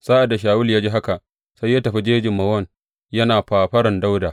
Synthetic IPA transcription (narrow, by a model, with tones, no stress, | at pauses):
saː˦ʔa˨da˨ʃ̬aː˨wʊ˦ljaː˦d͡ʒi˦ɦa˦ka˨ʔ | sa˦jːaː˦tɐ˨ɸi˦d͡ʒeː˦d͡ʒɪ˨mːɐ˨wɐ˦˨n | jɐ˦naː˨ɸaː˨ɸɐ˦ɽɐ˨nda˦wdaː˨